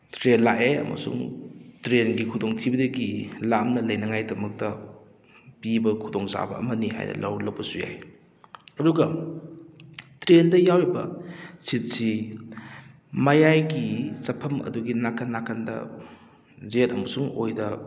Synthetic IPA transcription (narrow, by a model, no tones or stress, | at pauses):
tɾenlakeɐ̰mɐ̰sṵŋtɾenɡikʰudoŋtʰibɐdɐɡilamnɐlɐjnɐŋajdɐmɐk̚tɐ | pibɐkʰudoŋza̰bɐ̰ɐ̰mɐniha̰jnɐ̰lɐ̰wlɐwbɐsuja̰j | ɐduɡɐ | tɾendɐjawebɐ̰sit̚si | mɐjajɡisɐpʰɐmɐ̰duɡinakʰanːakʰandɐ̰ | zetɐmɐsuŋojdɐ